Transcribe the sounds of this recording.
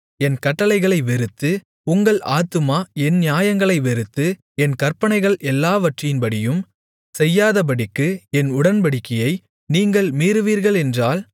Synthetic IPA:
ɛnkɐʈːɐlɐɪɣɐɭɐɪʋɛɾɯt̪ːɯ | ʊŋɡɐɭʔaːt̪ːɯmaːɛnnɪjaːjɐŋɡɐɭɐɪʋɛɾɯt̪ːɯ | ɛnkɐɾpɐnɐɪɣɐɭʔɛlːaːʋɐʈrɪjɪnbɐɽɪjɯm | sɛjːaːðɐpɐɽɪkːɯɛnʊɽɐnbɐɽɪkːɪjɐɪ | niːŋɡɐɭmiːɾɯʋiːɾɣɐɭɛndraːl

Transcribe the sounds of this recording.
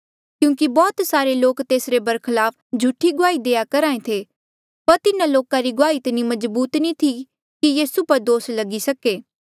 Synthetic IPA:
kjũːk̬ibɔːt̪saːɾeloːkt̪eːsɾebɐɾkʰəlaːp̚ʰ | d͡ʒʱuʈʰːiɡʊaːid̪eːjakɐɾaːẽt̪ʰe | pɐɾt̪ɪnãloːkãɾiɡʊaːit̪ɪnĩmɐzbuːt̪nĩt̪ʰi | kijiːsupɐɾd̪oːslɐɡisɐkeː

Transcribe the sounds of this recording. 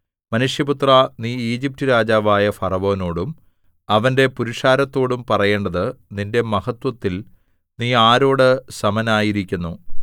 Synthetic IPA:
mɐnuʂjɐput̪rɐniːiːd͡ʑip̚tɨɾaːd͡ʑaːʋaːjɐfɐrɐʋo̞ːno̞ːɽum | ɐʋɐnde̞puɾiʂaːɾɐt̪ːo̞ːɽumpɐrɐje̞ːɳɖɐðɨninde̞mɐhɐt̪wɐt̪ːil | niːaːɾo̞ːɽɨsɐmɐnaːjiɾikʲːunːu

